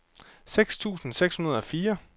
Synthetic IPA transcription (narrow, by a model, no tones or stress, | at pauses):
seɡ̥st͡sʰṵːsn̩seɡ̥shunɐð̞ˠɒ̽fiːɐ